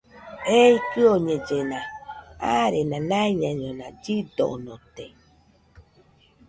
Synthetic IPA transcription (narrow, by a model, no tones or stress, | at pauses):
eikɨoɲẽd͡ʒenãaɾenãnãiɲãɲõnãd͡ʒid̪o̰nõt̪e